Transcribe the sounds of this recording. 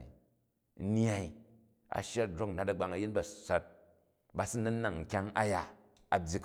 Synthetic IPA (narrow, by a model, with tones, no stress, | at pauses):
ḭ˨˦ | n˦a˨i˨ | a̰˨ʃa˦˨d͡ʒɾo˦k̩˨na˨tɐ˨ɡ͡ba˨ŋɐ˨ji˦tba˨sʷa˦t̚ | ba˨si˦nɐ˦nːa˨ŋŋ̩˨kʲa˦ŋa˦ja˨ | a˨bʲji˨˧k